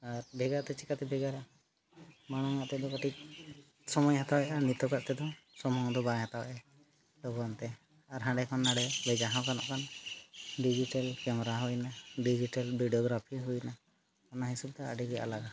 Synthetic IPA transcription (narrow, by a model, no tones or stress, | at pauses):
aɾbɛɡaɾt̪ɛt͡ʃikat̪ɛbɛɡaɾa | maɽ̃ɔŋaʔt̪ɛd̪ɔkaʈik̚ | sɔmɔjɦat̪abjaʔanit̪ɔkaʔt̪ɛd̪ɔsɔmɔɔ̃d̪ɔbaɦat̪aba̰ʔɛ | lɔbɔɾɔnt̪ɛ | aɾɦãɖɛkʰɔnːaɽɛbɛd͡ʒaɦãkanɔ̰ʔkan | ɖid͡ʒiʈalkɛmɛɾaɦɔjnaɖid͡ʒiʈalbiɖiɔɡɾapʰiɦujna | kɔnaɦisɔb̚d̪ɔa̰ɖiɡɛja̰laɡa